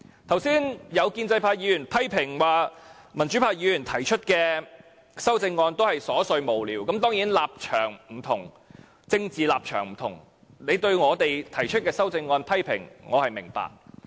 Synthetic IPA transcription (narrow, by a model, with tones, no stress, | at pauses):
t̪ʰɐ˨˩wsiː˥njɐ˨˧wkiː˧nt͡sɐ˧jpʰaː˧jiː˨˧˥jyː˨˩npʰɐ˥jpʰɪ˨˩ŋwaː˨mɐ˨˩nt͡ʃy˨˥pʰaː˧˥jiː˨˧jyː˨˩nt̪ʰɐ˨˩jt͡ʃʰɵ˥t̚kɛː˧ | sɐ˥wt͡sɪ˧ŋːɔː˧nt̪o˥hɐ˨jsɔː˨˥sɵ˧ɥmo˨wliː˨˩wkɐ˨˥mt̪ɔː˥ŋjiː˨˥nlaː˨p̚t͡ʃʰœː˨˩ŋm̩˨˩t̪ʰʊ˨˩ŋ | t͡sɪ˧ŋt͡siː˨laː˨p̚t͡ʃʰœː˨˩ŋm̩˨˩t̪ʰʊ̰˨˩ŋ | ne˨˧jt̪ɵ˧ɥŋɔː˨˧t̪e˨jt̪ʰɐ˨˩jt͡ʃʰɵ˥t̚kɛː˧sɐ˥wt͡sɪ˧ŋːɔː˧npʰɐ˥jpʰɪ̰˨˩ŋŋɔː˨˧hɐ˨jmɪ˨˩ŋpa̰ː˨k̚